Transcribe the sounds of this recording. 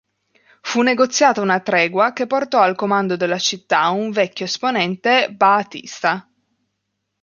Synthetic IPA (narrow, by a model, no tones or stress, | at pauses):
funːeɡot̪sːjaːt̪aunat̪ɾɛːɡwak̟epːort̪ɔalkomand̪od̪elːat͡ʃit̪ːauɱvɛkʲːjoesponɛnt̪ebaːt̪ḭst̪a